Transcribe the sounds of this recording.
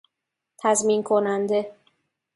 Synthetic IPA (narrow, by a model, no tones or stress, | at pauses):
t̪ʰæzminkʰonænd̪e